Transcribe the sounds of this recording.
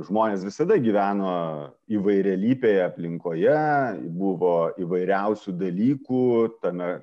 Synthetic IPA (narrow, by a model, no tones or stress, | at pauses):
ʒmoːnʲeːsʋʲɪsɐd̪ɐɡʲiːʋʲæːnoː | iːʋɐɪɾʲɛlʲiːpʲeːjɛɐpʲlʲɪŋkoːjɛbuʋoːiːʋɐɪɾʲɛʊsʲuːd̪ɐlʲiːkuːt̪ɐmʲɛ